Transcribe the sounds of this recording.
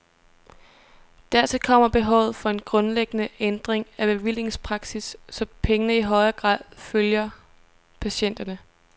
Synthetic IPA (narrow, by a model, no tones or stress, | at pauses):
d̥æɐ̰t͡sʰe̝lkʰɒ̽m̰ɐb̥e̝ɦɒʊ̰ðˠfɒ̽e̝nɡ̥ʁɔ̽nleɡ̥ənəend̥ʁeŋæb̥e̝ʋil̰e̝ŋspʰʁɑ̈ɡ̥sisːɒ̽pʰeŋənəiɦɒ̽ɪɐɡ̥ʁɑ̰̈ːð̰ˠføljɐ | pʰæɕen̰d̥ɐnə